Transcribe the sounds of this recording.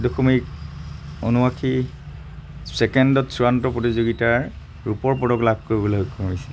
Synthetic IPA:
doxʰomik | o̰nuakʰi | sɛkɛndɔtsuɹantɔpɹotizoɡitaɹ | ɹupɔɹpɔdɔklabʱkoɹibɔloɦokːɔmamisɛ̥

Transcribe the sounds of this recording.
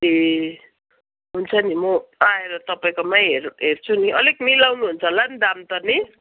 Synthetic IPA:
e | ɦunt͡sʰʌnimʌaeɾʌt̪ʌpaĩkomajɦerɦert͡sʰuniʔʌleknilawnuɦunt͡sʰʌland̪amt̪ʌni

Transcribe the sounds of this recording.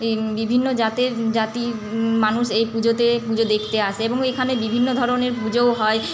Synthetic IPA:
bibʱinːod͡ʑat̪ed͡ʑat̪i | manuʃejpud͡ʑot̪epud͡ʑod̪ekʰt̪eaʃʰeeboŋekʰanebibʱinːod̪ʱɔɾoneɾpud͡ʑooɦɔe

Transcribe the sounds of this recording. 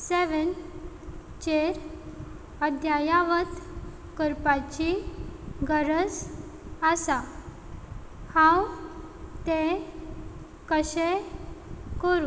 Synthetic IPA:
seʋən | t͡ɕeɾ | əd̪ʱjajaʋət̪ | kəɾpat͡ɕi | ɡəɾəs | əsa | hãw | t̪e | kəɕe | kəɾu

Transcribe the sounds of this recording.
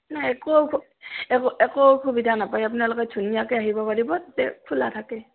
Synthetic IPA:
naɛkowkʰu | ɛkoʔɛkowkʰubidʱanapajap̬unalokɛdʱunijakeaɦibɔpaɹibɔtatɛkʰula̰tʰakɛ

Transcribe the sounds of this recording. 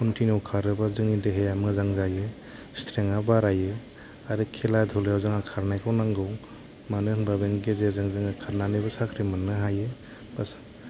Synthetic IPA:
kʰɔntʰinɔwkʰaɾɯbazɯŋnideɦejamɯzaŋzajɯ | stʰɾeŋabaɾajɯ | aɾɯkʰeladʰʱɔlejawzɯŋakʰaɾnajkʰawnaŋɡɯw | manɯŋbabenɡezezɯŋzɯŋakʰaɾnanɯbasakʰɾimanːɯɦajɯ | bas

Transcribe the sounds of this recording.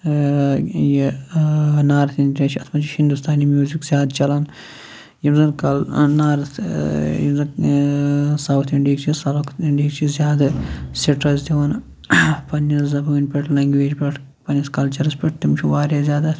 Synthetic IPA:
je | naːɾɐt̪int̪ʲɐt͡ʃʰiɐt̪ʰmɐt͡ʃʰihind̪ust̪ʰaːnimjuːzikz̥ʲaːd̪t͡ʃɐlan | jimzɐnkɐlnaːɾɐt̪ʰjḭmzɐ | sɐwt̪ʰiɳɖiːkt͡ʃʰisɐlkiɳɖiːkt͡ʃʰizʲjaːd̪ɐsiʈɐzd̪iʋɐn | pɐnːɐszɐbuːnʲpʲeʈʰlɐŋɡʋeːd͡ʒpʲeʈʰ | pɐnʲɐskɐlt͡ʃɐɾɐspʲeʈ̚t̪imt͡ʃʰuʋaːɾʲjazʲjaːd̪ɐ

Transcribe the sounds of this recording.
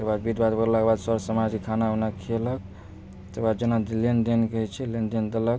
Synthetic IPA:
t̪əbad̪̚bid̪bad̪bəɾlakbad̪səɾsəmad͡ʒkekʰanaəpnakʰelək̚ | t̪əbad̪̚d͡ʒenad̪lend̪enkəɦɛt͡ʃʰɛlend̪end̪elək

